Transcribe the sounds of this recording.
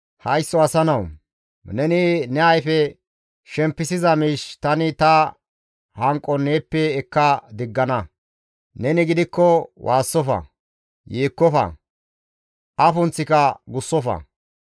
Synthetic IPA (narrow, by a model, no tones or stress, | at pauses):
hɐjsːɔɐsɐnɐw | nɛnɪnɛɐjfɛ | ʃɛmpːɪsɪzɐmiːʃt̪ɐnɪt̪ɐ | hɐŋkʼːɔneːpːɛːkːɐd̪ɪɡːɐnɐ | nɛnɪɡɪd̪ɪkːɔwʔaːsːɔfɐ̰ | jeːkːɔfɐ̰ | ʔɐfʊnt͡sːɪkɐɡʊsːɔfɐ̰